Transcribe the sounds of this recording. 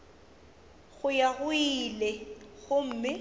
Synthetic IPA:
ɣʊjaɣʊilɛɣʊm̩ːmɪ

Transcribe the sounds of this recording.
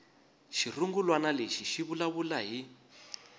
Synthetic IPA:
ʃiruŋɡulwanaleʃiʃiβulaβulaɦi

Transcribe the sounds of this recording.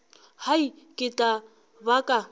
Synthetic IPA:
hai | kʼɪtʼa | bakʼa

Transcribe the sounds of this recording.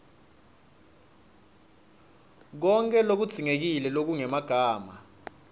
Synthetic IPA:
k̬ɔŋkʼɛlok̬ud̥z̥ʱiŋek̬ilɛlok̬uŋɛmaɡ̥ʱaːma

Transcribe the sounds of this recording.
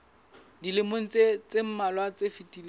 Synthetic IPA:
dilɪmon̩t͡set͡sem̩malwat͡sefitʼil

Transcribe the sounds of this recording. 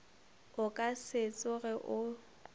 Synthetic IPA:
ʊkʼasɪt͡sʼʊɣɛʔʊ

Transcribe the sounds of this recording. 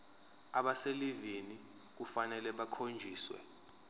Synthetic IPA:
aɓaseliveni | k̬ufanɛlɛɓakʰond͡ʒʱiːswɛ̰

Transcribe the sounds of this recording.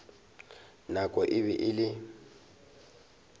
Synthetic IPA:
nakʼɔʔɪβɛʔɪlɪ

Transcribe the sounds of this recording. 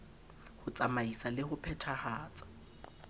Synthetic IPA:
hʊt͡sʼamaisalɪhʊpʰɛtʰahaːt͡sʼḁ

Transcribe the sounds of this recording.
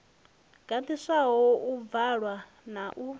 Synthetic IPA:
ɡ̥ant̪ʰiʂaɦɔʔuvaɺwa | naʔu

